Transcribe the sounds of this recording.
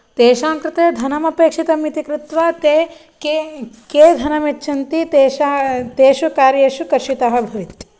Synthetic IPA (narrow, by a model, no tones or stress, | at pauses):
t̪eːʃaːŋkɾɪt̪eːd̪ʱɐnɐmɐpeːkʂit̪ɐmit̪ikɾut̪ʋat̪e | keːd̪ʱɐnɐmet͡ʃːʃʰɐnt̪it̪eːʃat̪eːʃukaːɾjeːʃukɐɾʃit̪ɐɦɐ̆bʱɐʋit̪i̥